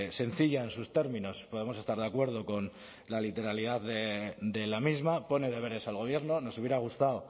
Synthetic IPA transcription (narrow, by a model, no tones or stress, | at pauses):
se̞n̟θiʎae̞nsust̪e̞ɾmĩno̞spo̞ðe̞mo̞se̞st̪aɾðakwe̞ɾð̞o̞ko̞n | lalit̪e̞ɾaliðaððed̪e̞lamizmapo̞ne̞ð̞e̞β̞e̞ɾe̞salɣ̞o̞β̞je̞ɾno̞no̞suβjeɾaɣ̞ust̪aw